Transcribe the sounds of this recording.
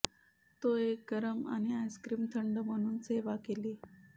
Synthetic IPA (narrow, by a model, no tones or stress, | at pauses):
t̪oek̚ɡəɾəma̰ñiajskɾiːmt̪ʰəɳɖəm̤əɽ̃uːnseʋakeliː